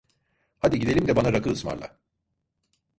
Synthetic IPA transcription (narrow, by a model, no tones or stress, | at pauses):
had̪iɟid̪e̞lʲimd̪ɛbanaɾakʰɯɯsma̰ɾlˠa̰